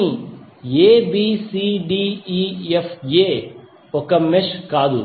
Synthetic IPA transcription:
ĩjeːbiːsiːɖiːiːefjeː | ʊkɐmːɪʃkaːd̪ṵ

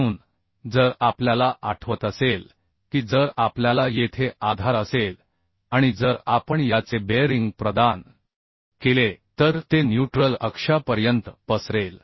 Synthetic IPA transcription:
uːn | d͡zəɾapljalaʔaʈʰʋət̪əsel | kiːd͡zəɾapljalajet̪ʰeʔad̪ʱaɾəsel | aɽ̃id͡zəɾapəɳjat͡sebeɾiŋɡpɾəd̪an | kelet̪əɾt̪enjuʈɾələkʂapəɾjənt̪pəsɾel

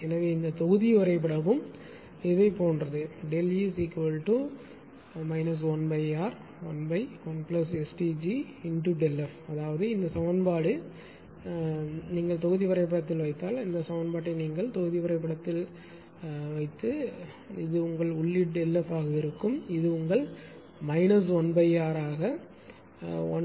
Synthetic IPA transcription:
ɛnɐʋeːɪnd̪ɐt̪ɔɣɯðɪʋɐɾɐɪpːɪɽɐʋɯm | ɛʋɐɪpːoːnrɐðɯɖɛljisikʋɐɭʈu | mɐɪnɐs̬ʋɔnbɐɪaːɾ | ʋɔnbɐɪ | ɔnplɐsɛsʈid͡ʒiɪnʈuɖɛlːɐfɐðaːʋɐðɯɪnd̪ɐsɐʋɐnbaːɽɯ | niːŋɡɐɭt̪ɔɣɯðɪʋɐɾɐɪpːɪɽɐt̪ːɪlʋɐɪt̪ːaːlɪnd̪ɐsɐʋɐnbaːʈ̬ːɐniːŋɡɐɭt̪ɔɣɯðɪʋɐɾɐɪpːɪɽɐt̪ːɪl | ʋɐɪt̪ːɯ | ɪðɯʊŋɡɐɭʊɭːɪʈ̚ɖɛlːɐfaːɣɐɪɾɯkːɯmɪðɯʊŋɡɐɭ | mɐɪnɐs̬ɔnbɐɪaːɾaːɣɐ | ɔ̰n

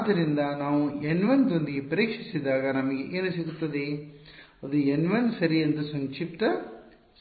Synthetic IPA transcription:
t̪ɪɾɪnd̪aːnaːʋ̃ɛnʋɐnt̪ond̪ɪjepɐɾeːkʂɪsɐðaːɣɐnɐmːɐkeŋɡɐnɐsɪɣɯt̪ːɐðeː | ɐðɯɛnʋɐnsɐɾiɐnd̪ɯsɐnt͡ʃɪpt̪ːɐ

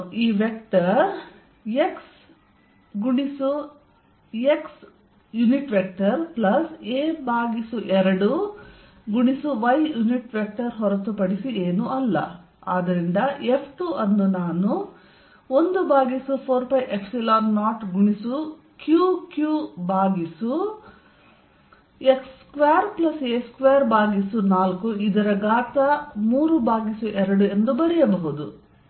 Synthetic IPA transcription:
iːʋek̚ʈɐɾ | eks | ɡuɳisu | eks | juniʈʋek̚ʈɐɾplɐseːbaːɡisuʔɛɾɐɽu | ɡuɳisuʋɐjjuniʈʋek̚ʈɐɾɦɔɾɐt̪upɐɽisieːnuʔɐlːɐ̰ | aːd̪ɐɾind̪ɐepʰʈuʔɐnːunaːnu | ond̪ubaːɡisupʰoːɾpɐjʔepʰsilaːnːaːʈɡuɳisu | kjuːkjubaːɡisu | ekskʋeːɐɾplɐseskʋeːɐɾbaːɡisunaːlkuid̪ɐɾɐɡaːt̪ɐmuːɾubaːɡisuʔɛɾɐɽue̞nd̪ubɐɾɛjɐbɐɦud̪u

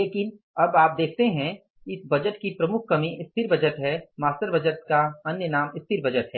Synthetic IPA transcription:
leːkɪn | ɐbaːp̚d̪eːkʰt̪eɦɛ̃ | ɪsbɐd͡ʒəʈkipɾɐmʊkʰːɐmiɪst̪ʰɪɾbɐd͡ʒət̪ɦɛmaːst̪əɾbɐd͡ʒət̪kaɐnjənaːmɪst̪ʰɪɾbɐd͡ʒət̪ɦɛː

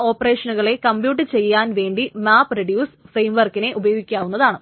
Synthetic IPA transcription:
o̞ːpːɐre̞ːʂɐnuɣɐɭe̞kɐmbjuːʈ̬ːɨt͡ɕe̞jːaːnʋe̞ːɳɖimaːpːrɐɖjuːsfrejmʋɐrkːine̞ʔubɐjo̞ːɡikʲːaːʋunːɐðaːɳɨ

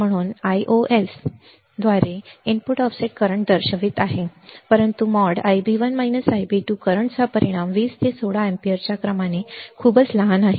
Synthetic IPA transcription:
m̤əɽ̃uːnajʔoʔes | d̪ʋaɾeiɳpuʈɔfseʈ̚kəɾəɳd̪əɾɕəʋiːt̪aɦepəɾənt̪umɔɽajbiʋənmainəsajbiʈukəɾəɳt͡sapəɾiɽ̃amʋiːst̪esʰoɽaẽmpijəɾt͡ɕjakɾəmanekʰuːbət͡sləɦanaɦi

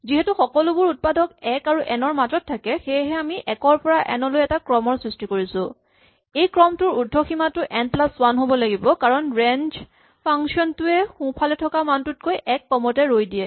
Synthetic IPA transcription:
ziɦɛtuxɔkɔlʊbʊɹut̚padʱɔkɛkaɹuʔɛnɔɹmatɔtʰːakɛxejɦɛamiʔɛkɔɹpɔɹaʔɛ̰nɔlojɛtakɹɔmɔɹsɹistikoɹisʊ̃ | ejkɹɔmtʊɹudʱːɔximatʊʔɛntlaswanɦobɔlaɡibɔkaɹɔnɹɛnd͡ʒ | pʰaŋsiɔntʊɛxũpʰalɛtʰɔkamantʊt̚kojʔɛk̚pɔmɔtɛɹojdijɛ

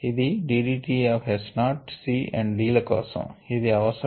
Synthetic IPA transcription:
id̪iɖiɾiʈiaːʋɦɛsnaːʈsiːʔɛ̰̃ɳɖɾiːlɐkɔ̰ːsɐ̰̃mid̪iɐʋɐsɐ

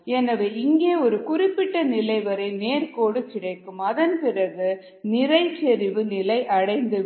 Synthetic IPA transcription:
ɛnɐʋeːɪŋɡeːɔɾɯkʊrɪpːɪʈːɐnɪlɐɪʋɐɾɐɪneːɾkoːɽɯkɪɽɐɪkːɯmɐðɐnpɪrɐɣɯ | nɪrɐɪt͡ʃɛɾɪʋɯnɪlɐɪʔɐɽɐɪnd̪ɯ

